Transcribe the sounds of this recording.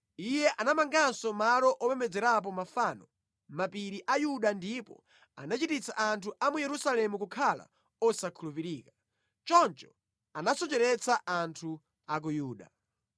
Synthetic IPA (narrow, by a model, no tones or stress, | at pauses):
ijɛʔanamaŋɡansɔmalɔʔɔpɛmɛd͡zɛɾap̬ɔmafaːnɔ | mapiɾiʔajuɗandipɔ̰ | a̰nat͡ʃitit͡sʰaʔantʰuʔamujɛɾusalɛmukukʰala̰ | ɔsakʰulupiɾiːkḁ | t͡ʃɔnt͡ʃɔ̥ | anasɔt͡ʃɛɾɛt͡sʰaʔantʰu | ak̬ujuːɗa̰